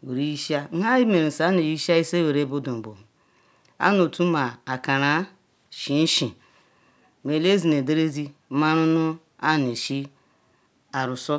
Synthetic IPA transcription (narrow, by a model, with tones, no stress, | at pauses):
we˨ɾi˦i˦ʃi˦a˦ɦa˦ji˦me˨ɾi˨sa˨˦ne˨ji˦ʃa˦i˦se˦we˨ɾe˦bo˦do˨m̩˨bo̰˨ | a̰˦no˨tu˦ma˨a˨ka˨ɾa˨˦ | ʃi˨n̩˦ʃi˨ | m˨e˨le˦zi˨ne˨de˦ɾe˦zi˦ma˦ɾʊ˦nʊ˦ | a˦˨n˨e˨ʃi˦ | a˨ɾu˨so˦